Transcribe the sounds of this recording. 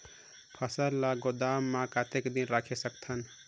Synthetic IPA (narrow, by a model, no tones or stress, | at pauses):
pʰəsəɾlaɡod̪amːãkat̪ekd̪inɾakʰesək̚t̪ʰən